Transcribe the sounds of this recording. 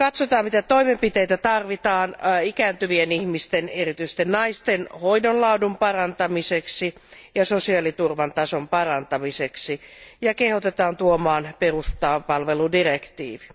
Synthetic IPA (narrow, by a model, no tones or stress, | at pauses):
kɑt̪sot̪ɑːmmit̪æt̪oimempit̪eijt̪æt̪ɑrʋit̪ɑːnikæːnt̪yʋienihmist̪enerit̪yist̪ennɑist̪enhoidonlɑudumpɑrɑnt̪ɑmiseksijɑsosiɑlit̪urʋɑnt̪ɑsompɑrɑnt̪ɑmiseksijɑkehot̪et̪ɑːnt̪uomɑːnperust̪ɑːpɑlʋeludirekt̪ḭːʋi̥